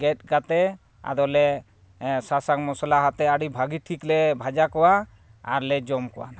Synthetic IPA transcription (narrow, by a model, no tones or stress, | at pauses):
ɡɛt̚ɡat̪ɛ | a̰ɾɔlɛ | sasakmɔsɔlaɦat̪ɛaɽibʱaɡiʈʰiklɛbʱad͡ʒakɔwa | a̰ɾlɛd͡ʒɔmkɔwa̰na